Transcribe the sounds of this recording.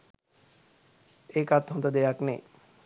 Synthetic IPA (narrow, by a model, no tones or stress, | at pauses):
ekat̪̚ɔnd̪ad̪ejaknḛ